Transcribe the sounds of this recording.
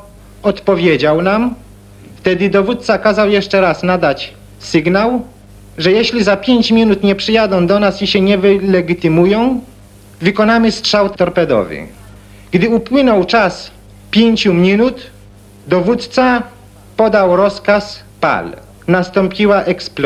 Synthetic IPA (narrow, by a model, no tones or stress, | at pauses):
ɔt̪pɔvʲjed͡ʑawnam | ft̪ɛd̪ɘd̪ɔvut̪̚t̪sakazawjɛʂt͡ʂɛɾasnad̪at͡ɕ | sɘɡnaw | ʐɛjɛɕlʲizapʲjeɲt͡ɕmʲjinut̪ɲɛpʂɘjad̪ɔ̃w̃d̪ɔnasiɕɛɲɛvɘlɛɡʲit̪ɘmujɔ̃w̃ | vɘkɔnamɘstʂawt̪t̪ɔɾpɛd̪ɔ̰vɘ̰ | ɡd̪ɘupwɘnɔwt͡ʂas | pʲjeɲt͡ɕumʲinut̪ | d̪ɔvut̪t̪sa | pɔd̪awɾɔskas | pa̰l | nast̪ɔ̃mpʲiwaʔɛksp